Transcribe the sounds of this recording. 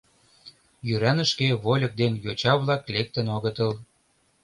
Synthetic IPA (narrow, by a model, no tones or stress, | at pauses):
jyɾænə̆ʃkeβolʲɤ̆k̚d̪enjot͡ɕɑβlɑklek̚t̪ə̆noɣət̪əl